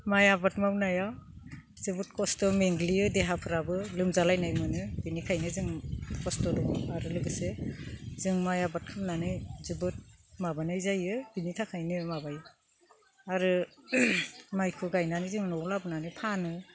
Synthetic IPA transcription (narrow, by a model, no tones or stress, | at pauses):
majabatmawnajaw | zɯbut̚kɔstɔmeŋɡliɯdeɦapʰɯɾabɯlɯmzalajnajmɯnɯbinikʰajnɯzɯŋkɔstɔdɔaɾɯlɯɡɯsezɯŋmajabat̚kʰɯmnanɯjzɯbɯt̚mabanɯjzajɯb̥initʰakʰajnɯmabajɯ | aɾɯ | majkʰɯɡajnanɯzɯŋnɔlabɯnanɯjpʰanɯ